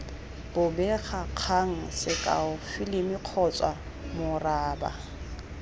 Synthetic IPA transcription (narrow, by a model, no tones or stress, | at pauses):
b̥ʊbɛχaq͡χʰaŋ̩sɪkʼa̰ʊfɪlɪmɪq͡χʰɔt͡sʼwa | mʊraːba̰